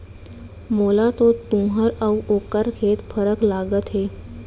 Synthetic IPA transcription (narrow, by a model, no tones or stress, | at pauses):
molat̪ot̪umɦaɾawokəɾkʰet̪fəɾəklaɡət̪ɦe